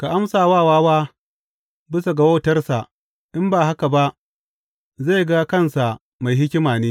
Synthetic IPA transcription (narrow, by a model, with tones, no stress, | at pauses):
ka˨ʔa˦msaː˨waː˦˨waː˦waː˦ | bɪ˦sa˨ɡɐ˨wɐ˦wtɐ˦rsa˨ʔ | ʔɪ˦mbaː˨ɦa˦ka˨ba˦ʔ | za˦˨jɡa˦kɐ˦nsa˨ | ma˨jɦɪ˦kʲɪ˦maː˨neː˦